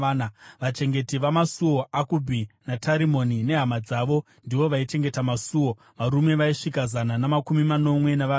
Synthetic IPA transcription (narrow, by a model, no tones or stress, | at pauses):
naʋat͡ʃe̞ŋɡe̞tiʋamasuo̞akubʱinataɾimo̞nine̞ɦamad͡zaːʋo̞ | ndiʋo̞ʋait͡ʃe̞ŋɡe̞tamasuwo̞ | ʋaɾume̞ʋaiʂikazananamakumimano̞mwe̞naʋa